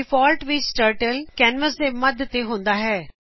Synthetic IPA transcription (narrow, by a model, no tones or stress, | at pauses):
ɪfʰɔːlʈʋisʈəɾʈəlkɛːnməsd̪eːməd̪t̪ːeːɦʊ̃nd̪aːɦɛː